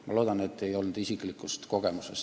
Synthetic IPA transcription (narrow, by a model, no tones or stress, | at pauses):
mɑlo̞ːd̪̥ɑne̞t̪ːe̞jo̞lnud̪̥isiklikːˑust̪ko̞ɡ̥e̞muses